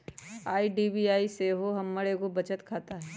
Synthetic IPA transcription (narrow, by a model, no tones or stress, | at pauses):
aːiɖiːbiaːiseɦoɦɐmːəɽekobɐt͡ʃət̪kʰaːt̪aɦɛː